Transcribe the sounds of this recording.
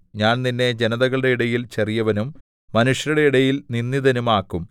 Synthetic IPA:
ɲaːnninːe̞d͡ʑenɐðɐɣɐɭiɽe̞iɽɐjilt͡ɕɐrijɐʋɐnumː | ɐnuʂjɐɾuɽe̞iɽɐjilninːiðɐnumaːkːum

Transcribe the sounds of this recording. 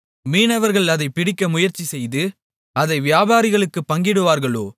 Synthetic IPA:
miːnɐʋɐɾɣɐɭɐðɐɪpːɪɽɪkːɐmʊjɐɾt͡ʃːisɛjðɯ | ɐðɐɪʋɪjaːbaːɾɪɣɐɭɯkːɯpːɐŋɡɪɽɯʋaːɾɣɐɭo̰ː

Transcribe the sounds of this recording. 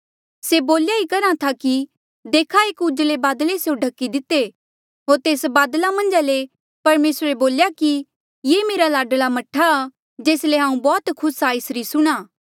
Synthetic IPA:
seboːljaikɐɾãt̪ʰaki | d̪eːkʰaeːkʊd͡ʒlebaːd̪lesejõɖʱɐkːid̪ɪt̪ːe | ɦoːɾt̪eːsbaːd̪lamɐ̃nd͡ʒale | pɐɾmeːsɾeboːljaki | jeːmeːɾalaːɖəlamɐʈʰːaː | d͡ʒeːsleɦãːũbɔːt̪kʰʊsaːɪsɾisʊɽ̃aː

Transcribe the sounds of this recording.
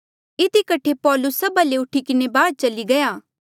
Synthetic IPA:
ɪd̪ikɐʈʰepɔːlʊsːɐbaleʊʈʰikɪnebaːd̪̚t͡ʃɐliɡɐjaː

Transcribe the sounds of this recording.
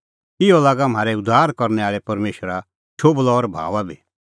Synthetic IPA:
ɪɔlaːɡam̤aːɾɛʊd̪ːaːɾkɔɾnɛaːɭɛpɐɾmeːʃəɾa | t͡ʃʰoːblɔːɾbʱa̰ːʋabʱiː

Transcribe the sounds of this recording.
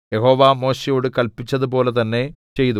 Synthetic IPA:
je̞ɦo̞ːʋaːmo̞ːɕejo̞ːɽɨkɐlpit͡ɕːɐðup̬o̞ːle̞t̪ɐnːe̞t͡ɕe̞jt̪u

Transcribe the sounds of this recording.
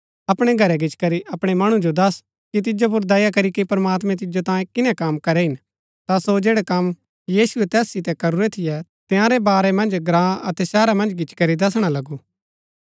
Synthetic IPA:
ɐpɽ̃ɛɡʱɐɾɛɡɪt͡ʃkɐɾiʔɐpɽ̃ɛmɐɽ̃ũd͡ʒod̪ɐs | kit̪̬ɪd͡ʒop̬ʊɾd̪ɐjakɐɾikipɐɾɐmaːt̪mɛ̃t̪̬ɪd͡ʒot̪ãːjẽkɪnɛkɐmkɐɾɛɦɪn | t̪asod͡ʒeːɽɛkɐm | jiːsʊɛt̪ɛːsːɪt̪ɛkɐɾuɾɛt̪ʰɪjɛt̪ejãɾɛbaːɾɛmɐ̃nd͡ʒɡɾãːɐt̪ɛsɛːɾamɐ̃nd͡ʒɡɪt͡ʃkɐɾid̪ɐs̬ɽ̃alɐɡu

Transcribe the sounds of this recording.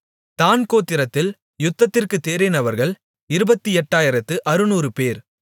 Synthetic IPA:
t̪aːnkoːt̪ːɪɾɐt̪ːɪl | jʊt̪ːɐt̪ːɪrkɯt̪ːeːɾɪnɐʋɐɾɣɐɭ | ɪɾɯbɐt̪ːiɛʈːaːjɪɾɐt̪ːɯʔɐɾɯnuːrɯpeːɾ

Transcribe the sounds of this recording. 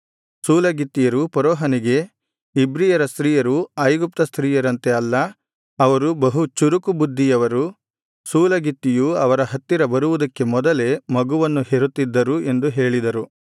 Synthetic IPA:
suːlɐɡit̪ːijɐɾupɐɾɔːɦɐniɡe̞ | ibɾijɐɾɐst̪ɾiːjɐɾuɐjɡup̚t̪ɐst̪ʰɾiːjɐɾɐnt̪e̞ɐlːɐː | ʋɐɾubɐɦut͡ʃuɾukubud̪ʱːijɐʋɐɾu | suːlɐɡit̪ːijuɐʋɐɾɐɦɐt̪ːiɾɐbɐɾuʋud̪ɐkːe̞mɔd̪ɐle̞mɐɡuʋɐnːuheɾut̪ːid̪ːɐɾue̞nd̪uɦe̞ːɭid̪ɐɾu

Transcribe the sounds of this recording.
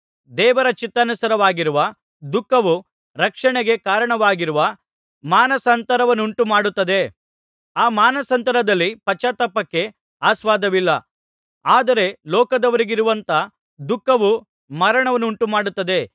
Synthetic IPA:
d̪ɛːʋɐɾɐt͡ʃit̪ːɐnusɐɾɐʋaːɡiɾuʋɐ | d̪ukːɐʋu | ɾɐkʂɐɳeɡe̞kaːɾɐɳɐʋaːɡiɾuʋɐ | maːnɐsɐnt̪ɐɾɐʋɐnːuɳʈumaːɽut̪ːɐd̪e̞ | aːmaːnɐsɐnt̪ɐɾɐd̪ɐlːipɐt͡ʃːɐt̪ɐpːɐkːe̞ | aːsʋaːd̪ɐʋilːɐ | aːd̪ɐɾe̞lɔːkɐd̪ɐʋɐɾiɡiɾuʋɐnt̪ɐ | d̪ukːɐʋu | mɐɾɐɳɐʋɐnːuɳʈumaːɽut̪ːɐd̪e̞

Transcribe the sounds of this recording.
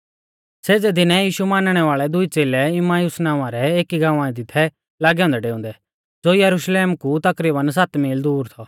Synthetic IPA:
seːd͡zɛd̪ɪnɛ̃jiːʃumaːnɽ̃ɛʋaːɭɛd̪ʊit͡seːlɛɪmaːjusnãːʊ̃ãɾɛeːkiɡãːʋãĩd̪ɪt̪ʰɛ | laːɡjɔ̃ːnd̪ɛɖeːũnd̪ɛ | d͡zoːjɐɾuʃleːmkut̪ɐkɾiːbəns̬ɐt̪miːld̪uːɾt̪ʰɔ

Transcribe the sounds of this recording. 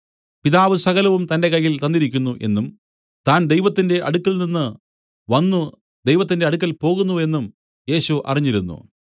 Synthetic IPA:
piðaːʋɨsɐɣɐlɐʋumt̪ɐnde̞kɐjːilt̪ɐnːiɾikʲːunːuʔe̞nːum | t̪aːnd̪e̞jʋɐt̪ːinde̞ʔɐ̰ɽukːɐlninːɨ | ʋɐnːu | d̪e̞jʋɐt̪ːinde̞ɐɽuk̬ːɐlpo̞ːɣunːue̞nːum | je̞ːɕuʔɐ̰riɲːiɾunːṵ

